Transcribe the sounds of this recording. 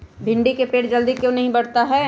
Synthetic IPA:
bʱɪ̃ɳɖikepeːʈd͡ʒɐld̪ikjõːnɐɦĩbɐɽ̤t̪aɦɛː

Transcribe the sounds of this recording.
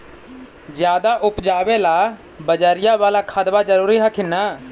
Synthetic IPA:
d͡ʒɪjaːd̪aːʔʊpd͡ʒaːʋeːlaː | bəd͡ʒaːɾɪjãːʋaːlaːkʰəd̪baːd͡ʒəɾuːɾiːɦakʰɪnaː

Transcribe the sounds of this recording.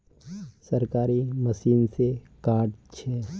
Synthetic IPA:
səɾkaːɾiməsiːnsekaːʈt͡ʃʰɛː

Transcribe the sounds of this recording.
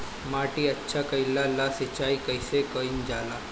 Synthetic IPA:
maːʈiɐtːʃʰakɐɪlalaːsɪt͡ʃaːikɐɪsekəind͡ʒaːlaː

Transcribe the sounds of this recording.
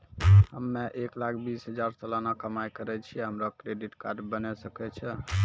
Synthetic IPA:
ɦəmːeʔeklakʰbisɦəd͡ʒaɾtəlanakəmajkəɾɛt͡ʃʰiɛɦəmɾakɾeɖiʈkaɾɖbənɛsəkɛt͡ʃʰɛ

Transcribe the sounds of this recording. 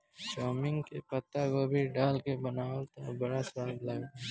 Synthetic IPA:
ʃɔːmɪ̃ŋɡkepɐt̪ːakobʱiɖaːlkebɐnaːwlt̪abɐɽasaːblaːɡa

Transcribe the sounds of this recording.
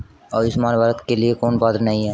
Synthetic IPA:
ɔːɾɪsmaːnbəɾət̪keliekoːnbaːd̪ɾnɐɦĩɦɛː

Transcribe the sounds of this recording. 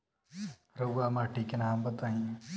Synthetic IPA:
ɾəamãʈʰikenaɦambət̪aɦĩ

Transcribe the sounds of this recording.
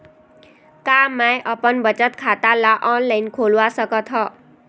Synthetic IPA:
kamajʔʌpənbət͡ʃət̪kʰat̪alaʔɔnlainkʰolʋasʌkɔt̪ʰɦɔ

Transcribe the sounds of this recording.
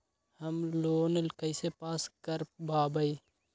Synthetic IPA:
həmloːnəlkəɪsepaːskəɾbʱaːbəi

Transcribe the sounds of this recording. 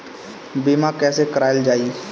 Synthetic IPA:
biːmãkɛːsekəɾaːjəld͡ʒaːiː

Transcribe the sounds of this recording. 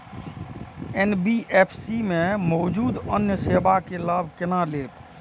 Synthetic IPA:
enbiʔepʰsimẽmɔːd͡ʒuːd̪ənjəsebakelabʱkɪnaleːb

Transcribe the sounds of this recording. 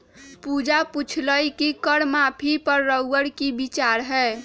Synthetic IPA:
pud͡ʒaput͡ʃʰləjkikəɽmapʰipəɾːəwɡəɽkibit͡ʃaɾɦɛː

